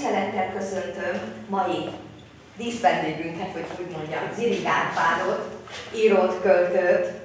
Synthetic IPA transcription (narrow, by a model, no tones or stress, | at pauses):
sɛlɛt̪ːɛlkø̞sø̞nt̪ømːɒji | d̪iːsbɛnd̪eːɡyŋkɛt̪ho̞cuːɟmo̞ɲɟɒziɾiɡaːrpaːɾoːt̪iːɾoːt̪kølt̪øt̪ː